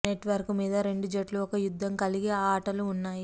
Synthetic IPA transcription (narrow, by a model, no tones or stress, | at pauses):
neʈʋɐɾkumiːd̪ɐɾe̞ɳɖud͡ʒɐʈluɔkɐjud̪ʱːɐmkɐliɡeaːʈɐluːnːaːji